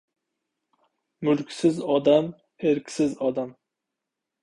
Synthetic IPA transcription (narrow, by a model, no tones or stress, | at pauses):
mʊlkʲsɪzɒd̪am | eɾkʲʰsɪzɒd̪am